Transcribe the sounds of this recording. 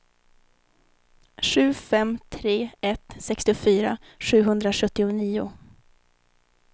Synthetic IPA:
ʂʉ̟ːfɛmt̪ʰɾeːɛt̪sɛkst̪ɪʊfyːɾaʂʉ̟ːɦɵnd̪ɾaʂɵt̪ːɪʊniːʊ

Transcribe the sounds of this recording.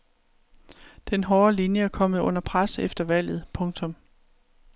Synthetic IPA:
d̥enɦɒːɐlinjəæɐkʰɒ̽m̰ð̞̩ˠɔ̽n̰ɐpʰʁasefd̥ɐʋæl̰jð̞̩ˠpʰɔ̽ŋt͡sʰɔ̽m

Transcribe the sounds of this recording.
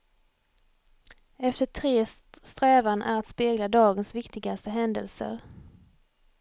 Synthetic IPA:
ɛft̪əʈʰɾeːst̪ɾɛːvanʔæ̰ɾat̪speːɡlad̪ɑːɡənsvɪkt̪ɪɡast̪əɦɛnd̪ə̰lsə̰ɾ

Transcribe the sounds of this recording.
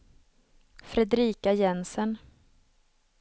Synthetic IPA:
fɾɛd̪ɾiːkajɛnsən

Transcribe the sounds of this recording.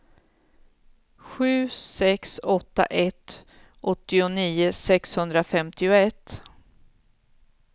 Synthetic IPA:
ɧʉ̟ːsɛksɔt̪ːa̰ʔɛt̪ | ʔɔt̪ːɪʊniːʊsɛkshɵnd̪ɾafɛmt̪ɪʊɛt̪ː

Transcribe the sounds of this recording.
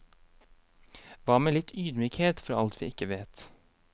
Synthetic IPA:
ʋɑːmeːlɪt̪yːd̪myːkheːt̪fɑɑlt̪ʰʋḭːɪkəʋeːt̪

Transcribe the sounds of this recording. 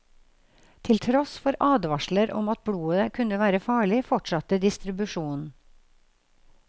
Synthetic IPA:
t̪ʰɪlt̪ʰɾɔsfɔɾʔɑːd̪ʋɑʃləɾʔɔ̰mɑt̪̚bɽuːəkʰʉnəʋæːɾəfɑːɭɪfɔʈʃɑt̪əd̪ɪst̪ɾɪbʉʃuːnn̩

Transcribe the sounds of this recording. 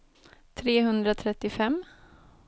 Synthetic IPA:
t̪ʰɾeːɦɵnd̪ɾat̪ʰɾɛt̪ːɪfɛmː

